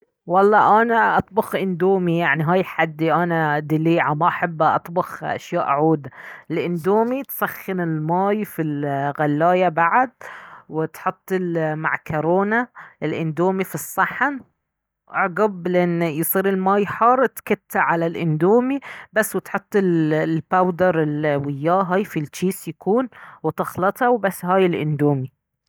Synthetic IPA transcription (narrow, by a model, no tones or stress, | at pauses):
wɑlˤːɑːʔanaʔɑt̪ˤbɑxʔɪnd̪uːmijaʕniɦaːjħad̪ːiʔanad̪ɪliːʕamaʔaħabːaʔɑ̰t̪ˤbɑxʔa̰ʃjaːʔaʕuːd̪aɪlʔɪnd̪uːmit̪saxːɪnɪlmaːjfilɣalːaːjabaʕd̪̚wɪt̪ħʊt̪ˤːɪlma̰ʕkʊɾoːnaɪlʔɪnd̪uːmifisˤːɑħan | wʔɑʕɡablɪʔɪnːjsˤiːɾɪlmaːjħɑːɾˤt̪kat̪ːaʕalalʔɪnd̪uːmibasːwɪt̪ħʊt̪ˤːɪllpawd̪ɑɾˤɪlwɪjːaːɦaːjfilt͡ʃiːsjakuːnwɪt̪ɑxlɑt̪ˤɑwbasːhaːjɪlʔɪnd̪uːmi